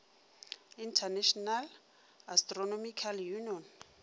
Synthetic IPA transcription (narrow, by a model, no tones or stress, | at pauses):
intʰanɛʃɔnal | astrɔnomikʰaljuniɔn